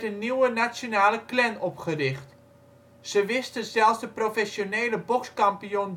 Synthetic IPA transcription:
tənːiwənat͡sjonaːləklɛnɔpχərɪχt | səʋɪstəzɛlˠsdəprofɛsjoneːləbokskampijon

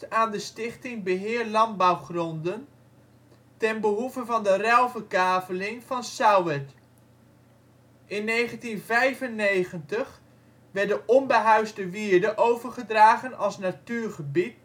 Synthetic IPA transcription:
aːndəstɪχtɪŋbəɦɪːɹlɑnbawχrɔndən | tɛnbəɦuvəvɑndərɛlˠvəkaːvəlɪŋv̥ɑnsawət | ʔɪnːejχəntinvɛjvənːejχəntəχ | ʋɛɹdəʔɔmbəɦœɥzdəʋiːɹdəʔowvəɹχədraːχənʔɑlˠsnatyːɹχəbit

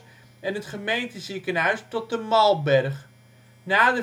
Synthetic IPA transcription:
ɛnətχəmejntəzikənɦœɥstɔt̚dəmɑlˠbɛrχ | naːdə

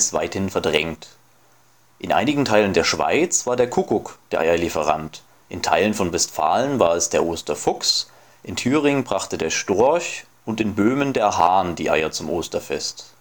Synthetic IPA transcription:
sv̥a̰ɪthɪnfɛɐdʁɛŋt | ʔɪnʔa̰ɪnɪɡŋ̩tʰaɪləndeːɐʃv̥a̰ɪt͡sv̥aːɐdeːɐkʰʊkʊkd̥eːɐʔa̰ɪɐlifəʁ̞a̰nt | ʔɪntʰaɪlənfɔnvɛstfa̰ːlənvaːɐɛsd̥eːɐʔoːstɐfʊks | ʔɪntʰyːʁɪŋbʁaχtədeːɐʃtʊɐç | ʊntɪnbøːməndeːɐɦaɐndḭːʔa̰ɪɐt͡sʊmʔoːstɐfɛ̰st

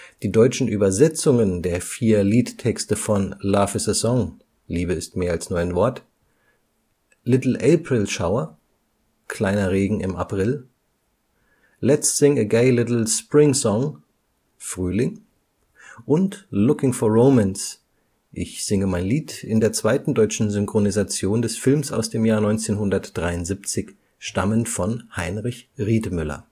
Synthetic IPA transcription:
d̥iːdɔʏt͡ʃn̩ʔyːbɐzɛt͡sʊŋəndeːɐfiːɐliːttʰɛkstəfɔnlaːfɪsəzɔŋ | liːbəɪstmeːɐalsnɔʏənvɔɐt | lɪtl̩ʔeːpʁ̥ɪlʃaʊɐ | kʰl̥aɪnɐʁeːɡŋ̩ɪma̰pʁ̥ɪl | lɛtstsɪŋəɡeɪlɪtl̩spʁ̥ɪŋsɔŋ | fʁ̥yːlɪŋ | ʔʊntlʊkɪŋfɔɐʁoʊmɛns | ʔɪçz̥ɪŋəmaɪnliːtʰɪndeːɐt͡sv̥aɪtn̩dɔʏt͡ʃn̩zʏŋkʁ̥onizat͡sjoːndɛsfɪlmsa̰ʊsd̥eːmjaːɐnɔʏnt͡seːnɦʊndɐtd̥ʁaɪʊntz̥ipt͡sɪç | ʃta̰mənfɔnhaɪnʁɪçʁiːtəmʏlɐ̰

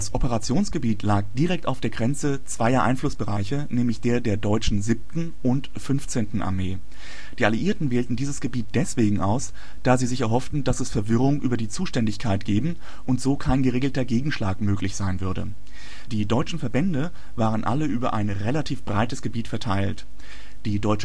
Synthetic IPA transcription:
d̥asʔɔpəʁat͡sjoːnsɡ̥əbiːtʰlaːk̚d̥iʁɛk̚ta̰ʊfd̥eːɐɡʁɛnt͡sət͡sv̥aɪɐʔa̰ɪnflʊsb̥əʁaɪçənɛːmlɪçd̥eːɐdeːɐdɔʏt͡ʃn̩zɪp̚tn̩ʔʊnt | fʏnft͡seːntn̩ʔa̰ɐmeː | d̥iːʔaliʔiːɐtn̩veːltn̩diːzəsɡ̥əbiːt̚d̥ɛsv̥eːɡŋ̩ʔa̰ʊs | d̥aːziːzɪçɛɐɦɔftn̩d̥asɛsfɛɐvɪʁʊŋʔy̰ːbɐdiːt͡suːʃtɛndɪçkʰaɪtɡ̥eːbm̩ | ʔʊntz̥oːkʰaɪnɡəʁeːɡl̩tɐɡeːɡŋ̩ʃlaːkmøːklɪçz̥aɪnvʏɐɾə̰ | d̥iːdɔʏt͡ʃn̩fɛɐbɛndə | vaːʁ̞ənʔa̰ləʔyːbɐ̰ʔa̰ɪnʁelatʰiːfb̥ʁaɪtəsɡ̥əbiːtfɛɐtʰaɪlt | d̥iːdɔʏt͡ʃə

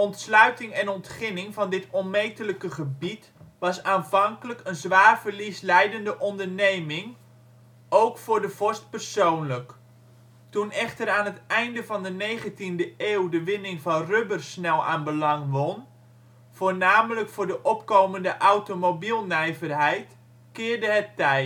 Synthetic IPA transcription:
ɔntslœɥtɪŋɛnɔntχɪnɪŋvɑndɪtɔnmejtələkəχəbit | ʋɑsaːnvɑŋkələkənzʋaːrv̥ərlislɛjdəndəʔɔndərnejmɪŋ | owkfʊːɹdəv̥ɔst̚pərsownlək | tunɛχtəɾaːnɦətɛjndəvɑndənejχəntindəʔeːwdəʋɪnɪŋvɑnrøbərsnɛlˠa̰ːnbəlɑŋʋɔn | v̥oːrnaːmələkfʊːɹdəʔɔpkoːməndəʔawtomobilˠnɛjvərɦɛjt | kɪːrdəɦətːɛj

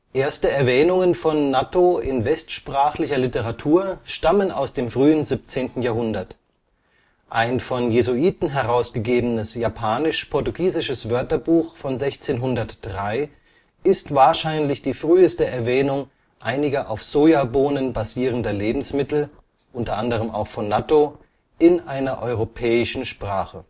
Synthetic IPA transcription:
ʔeːɐstəɛɐvɛːnʊŋənfɔnːatoɪnvɛstʃpʁ̥aːχlɪçɐlɪtəʁatʰuːɐʃtaməna̰ʊsd̥eːmfʁ̥yːənzip̚t͡seːntn̩jaːɐɦʊndɐt | ʔaɪnfɔnjezuiːtn̩ɦɛʁaʊsɡ̥əɡeːbənəsjapʰaːnɪʃpʰɔɐtuɡiːzɪʃəsv̥œɐtɐbuːxfɔnzɛçt͡seːnɦʊndɐtd̥ʁaɪ | ɪstv̥aːɐʃaɪnlɪçd̥iːfʁ̥yːəstəʔɛɐvɛːnʊŋ | ʔaɪnɪɡɐʔaʊfz̥oːjaboːnənbaziːʁ̞əndɐleːbm̩smɪtl̩ | ʔʊntɐʔandəʁ̞əma̰ʊxfɔnːato | ʔɪnʔaɪnɐʔɔʏʁopʰɛːɪʃn̩ʃpʁ̥aːχə

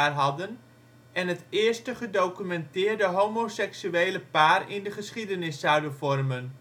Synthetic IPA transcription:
arɦɑdən | ɛnɦətɪːɹstəχədowkymɛntɪːɹdəɦowmosɛksyejləpaːrɪndəχəsχidənɪsːʌwdənvɔrmən

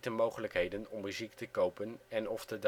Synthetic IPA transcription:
təmowχələkɦejdənɔmːyziktəkowpənɛnɔftəd

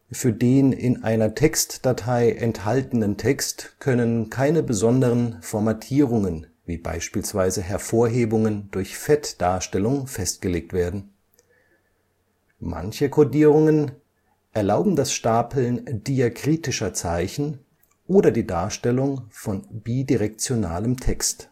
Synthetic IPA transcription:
fyːɐdeːnɪ̰nʔa̰ɪnɐtʰɛkstd̥atʰaɪʔɛnthaltn̩əntʰɛkstkʰœnənkʰaɪnəbəzɔndəʁənfɔɐmatʰiːʁ̞ʊŋənviːba̰ɪʃpiːlsv̥aɪzəɦɛɐfoːɐɦeːbʊŋəndʊɐçfɛtd̥aːɐʃtɛlʊŋfɛst̚ɡ̥əleːk̚tv̥eːɐdn̩ | ma̰nçəkʰodiːʁ̞ʊŋən | ʔɛɐlaʊbm̩dasʃtaːpʰl̩nd̥iakʁ̥iːtɪʃɐt͡saɪçn̩ | ʔoːdɐdiːdaːɐʃtɛlʊŋfɔnbiːdiʁɛk̚t͡sjona̰ːləmtʰɛkst

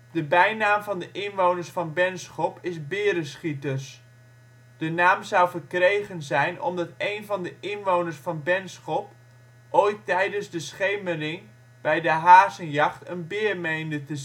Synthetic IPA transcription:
d̥əbɛjnaːmvɑndəʔɪnʋownərsfɑnbɛnsχɔpɪsbɪːɾəsχitəs | d̥ənaːmzʌwvərkrejχənzɛjnʔɔ̰mdɑtejnvɑndəʔɪnʋownəɹsfɑnbɛnsχɔp | ʔoːjtːɛjdənzdəsχejmərɪŋ | b̥ɛjdəɦaːzənjɑχtənbɪːrmejndətə

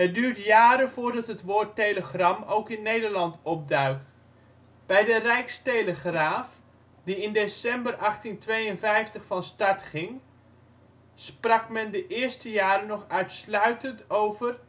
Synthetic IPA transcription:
ɦədyːɹtjaːɾənvʊːɹdɑtɦətʋʊːɹtejləχrɑmowkɪnːejdəɹlɑntɔp̚dœɥk̚t | b̥ɛjdərɛjkstejləχraːf | diɪndesɛmbərʔɑχtintʋejənvɛjftəχfɑnstɑɹtχɪŋ | sprɑkmɛndəʔɪːɹstəjaːɾənɔχœɥtslœɥtəntowvər

